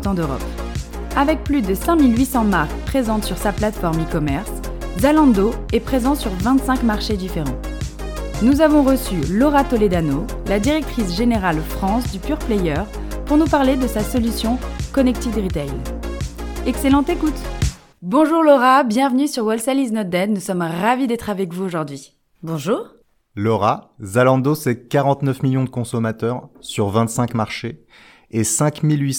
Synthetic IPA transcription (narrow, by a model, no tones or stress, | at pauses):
t̪ɑ̃d̪øʁɔ̰p | avɛk̚plyd̪əsɛ̃milɥisɑ̃maʁkpχezɑ̃t̪syʁsaplat̪fɔʁmikɔmɛʁs | zalɑ̃d̪oɛpχezɑ̃syʁvɛ̃t̪sɛ̃kmaʁʃed̪ifeʁɑ̰̃ | nuzavɔ̃ʁəsylɔʁat̪ɔled̪ano | lad̪iʁɛk̚t̪χisʒeneʁalfχɑ̃sd̪ypyʁplɛjœʁpuʁnupaʁled̪əsasɔlysjɔ̃kɔnɛk̚t̪ivd̪əʁit̪ɛjl | ɛkselɑ̃t̪ekut̪ | bɔ̃ʒuʁlɔʁabjɛ̃vnysyʁwalsɛliznɔt̪̚d̪ɛd̪nusɔmʁavid̪ɛt̪χavɛkvuoʒuʁd̪ɥi | bɔ̃ʒuːʁ | lɔʁazalɑ̃d̪osɛkaʁɑ̃t̪nœfmiljɔ̃d̪əkɔ̃sɔmat̪œʁsyʁvɛ̃t̪sɛ̃kmaʁʃe | esɛ̃kmilɥi